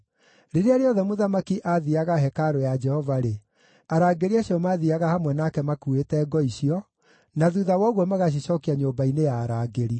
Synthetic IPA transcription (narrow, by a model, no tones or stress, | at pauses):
ɾeɾeaɾeɔðɛmoðamakiʔaðiaɣaɦɛkaɾojad͡ʒɛhɔvaɾe | aɾaːɡeɾiaɕiɔmaðiaɣahamwɛnakɛmakuetɛːɡɔiɕiɔ | naðuðawɔɣwɔmaɣaɕ̬iɕɔkiaɲoːbainejaːɾaːɡeɾi